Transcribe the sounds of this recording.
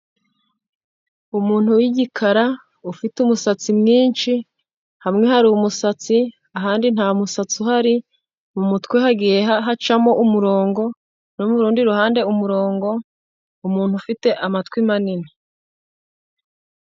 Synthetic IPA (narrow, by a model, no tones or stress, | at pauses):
umuːn̥huwiɟikʰaɾa | ufitumusat͡simŋiːnt͡ʃi | hamŋe̞haɾumusat͡si | aɦaːndin̥haːmusat͡suɦaɾi | mumutkwehaɡije̞ɦat͡ʃamo̞ʔumuɾo̞ːŋɡo̞ | nomuɾuːndiɾuhaːnde̞umuɾo̞ːŋɡo̞ | umuːn̥hufite̞ʔamatkwimanini